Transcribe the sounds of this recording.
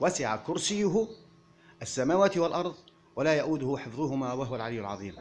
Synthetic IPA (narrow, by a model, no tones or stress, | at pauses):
wasɪʕakʊɾsɪjːʊɦʊ | ʔəsːamaːwaːt̪ɪwalʔɑɾˤðˤ | walaːjaʔud̪ʊhʊħəfðˤʊhʊmawaɦʊwalʕalijːʊlʕɑ̰ðˤiːm